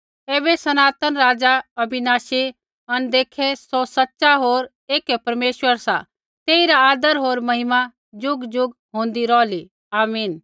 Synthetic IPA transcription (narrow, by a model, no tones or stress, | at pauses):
eːbesɐnaːt̪ənɾaːd͡ʒaɐbʱɪnaːʃi | ɐnd̪eːkʰesɔsɐtːʃaɦoːɾ | eːkɛpɐɾmeːʃwəɾsa̰ | t̪eːiɾaaːd̪əɾɦoːɾmɐɦɪma | d͡ʒʊɡd͡ʒʊɡɦõːn̆d̪iɾɔːli | aːmiːn